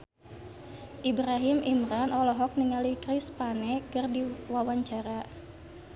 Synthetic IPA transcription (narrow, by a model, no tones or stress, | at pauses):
ʔibɾaɦimʔimɾanɔlɔɦɔk̚niŋalikɾispanɛkɨrdiwawaɲt͡ʃaɾa